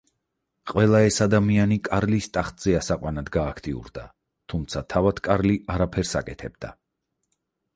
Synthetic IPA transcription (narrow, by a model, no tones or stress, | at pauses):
qʼwɛlˠaɛsad̪amianikʼaɾlist̪ʼaχt̪ʼz̥ɛasaqʼwanad̪ɡaːkʰt̪ʼiṵɾd̪a | t̪ʰumt̪sʰat̪ʰavad̪̥kʼaɾliʔaɾapʰɛɾsa̰kʼɛt̪ʰɛb̚d̪a̰